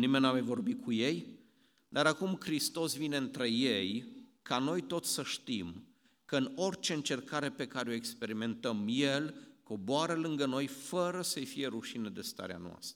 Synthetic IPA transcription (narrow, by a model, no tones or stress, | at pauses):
nimennamajvo̞rbikʰuje̞j | d̪aɾakumkɾist̪o̞svine̞ɨnt̪ɾe̞je̞jkano̞jt̪o̞t̪sʲsəʃt̪im | kəɨno̞rʲt͡ʃe̞ɨnt͡ʃe̞rkaɾe̞pe̞kaɾeo̞ekspe̞ɾime̞nt̪əmje̞lko̞boaɾəlɨŋɡəno̞jfəɾəsəjfije̞ɾuʃined̪e̞st̪a̰ɾea̰noa̰st̪ɾə